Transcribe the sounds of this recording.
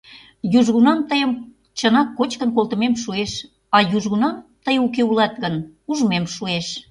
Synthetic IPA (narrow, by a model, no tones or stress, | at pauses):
juʒɣunɑmt̪əjəm | t͡ɕənɑkːot͡ɕkənk̬olˠt̪ə̆memʃueʃ | ɑjuʒɣunɑmt̪əjukeulɑt̪ɣənuʒmemʃueʃ